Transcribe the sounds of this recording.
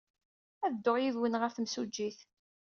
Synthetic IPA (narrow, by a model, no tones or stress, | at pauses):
æðd̪ːoʁjiðwənʁəfθmsud͡ʒːiθ